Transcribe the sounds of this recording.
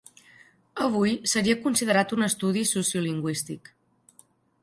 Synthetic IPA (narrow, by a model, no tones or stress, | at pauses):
əβ̞ujsəɾiəkunsiðəɾat̪unəst̪uðisusjuliŋɡwist̪ik